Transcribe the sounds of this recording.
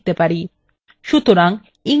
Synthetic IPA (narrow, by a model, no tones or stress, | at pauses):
t̪ːepaɾi | ʃut̪uɾaŋ | iŋ